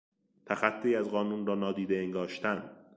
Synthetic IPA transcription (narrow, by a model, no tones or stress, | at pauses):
t̪ʰæxæt̪ʰːiːæzɢɒːnuːnɾɒːnɒːd̪iːd̪eeŋɡɒːʃt̪ʰænd̪̥